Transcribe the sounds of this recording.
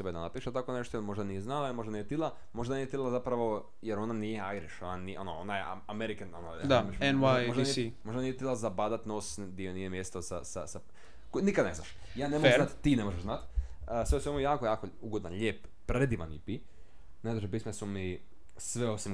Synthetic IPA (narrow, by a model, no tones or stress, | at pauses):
sebed̪anapiːʃat̪akone̞ʃt̪ojelˠmo̞ʒd̪anijeznaljemo̞ʒd̪anijet̪ilˠa | mo̞ʒd̪anijet̪ilazapɾaʋo̞ | jeɾo̞nanijeajɾiʃonaniʔo̞noonajeaameɾikenonod̪ameʃenwajoʒieimo̞ʒd̪anijet̪ilazabad̪at̪nosd̪ionijemjest̪osa̰sa̰sa | konikad̪nezna̰ʃ | jaːnemonat̪t̪ːinemoʒeʃznat̪əsʋeusʋemujaːkojaːko | uɡod̪anʎʲeːp | pɾed̪iʋa̰nḭpi | ned̪oʒep̬iːsmesumi | sʋeo̞sim